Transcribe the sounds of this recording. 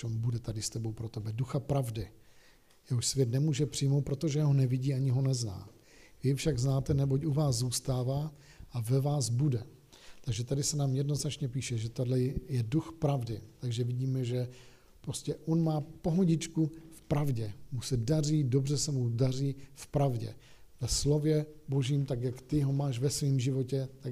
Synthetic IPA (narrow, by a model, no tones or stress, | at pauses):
ombudɛt̪adɪst̪ɛbo̞wpɾot̪ɛbɛduxapɾavdɪ | jɛɦoʃsvjɛt̪nɛmuːʒɛpr̥ɪjmowt̪̚pɾo̞t̪oʒɛɛɦo̞nɛvɪɟiːaɲɪɦo̞nɛzna̰ː | vɪfʃaɡznaːt̪ɛnɛbo̞cʔuvaːszuːst̪aːvaː | ʔavɛvaːzbudɛ | t̪aɡʒɛt̪adɪsɛnaːmjɛdno̞znat͡ʃɲɛp̬iːʃɛʒɛt̪adlɛjɛduxpɾavdɪt̪aɡʒɛvɪɟiːmɛʒɛ | pɾoscɛʔonmaːpo̞ɦoɟɪt͡ʃkufpɾavɟɛmusɛdar̝iːdo̞br̝ɛsɛmudar̝iːfpɾavɟɛ̰ | vɛslo̞vjɛbo̞ʒiːmt̪akjakt̪ɪɦo̞maːʃvɛsviːmʒɪvo̞cɛt̪a